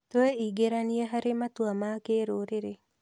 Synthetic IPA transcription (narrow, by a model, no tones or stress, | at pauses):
t̪weiɡeɾanieɦaɾemat̪wamakeɾoɾeɾe